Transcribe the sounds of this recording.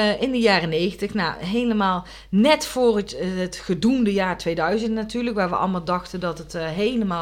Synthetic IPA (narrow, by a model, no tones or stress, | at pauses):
ɪndəjaːrənejɣəntəxna̰ɦejləmaːlˠ | nɛtfʊːrətɦətχədundəjaːɹtʋejdœɥzəntnatyːɹləkʋaːɹʋə̰ʔɑ̰lˠmaːlˠdɑxtəndɑtətɦejləmaː